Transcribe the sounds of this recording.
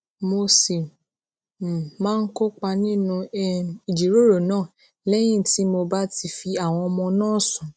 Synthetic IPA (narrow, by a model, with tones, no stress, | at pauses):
mo˧se˨ | mãː˦˧n̩˦ko˦k͡pa˧nĩ˦nũ˧˦i˨d͡ʒi˨˦ɾo˦˨ɾo˨nãː˦˨ | lɛ˦j̃ĩ˦˨ti˨˦mo˧ba˦ti˧fi˧a˨w̃ɔ̃˧ɔ˧mɔ̃˧nãː˦˨sũ˨